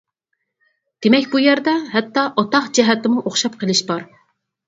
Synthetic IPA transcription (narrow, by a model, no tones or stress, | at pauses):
d̪̥emɛkʲbujɛɾd̪ɑɦɛt̪ːɑʔɑt̪ɑqd͡ʒɛɦɛt̪ɪmuʔoχʃɑp̚qəlˠɨʃbɑɾ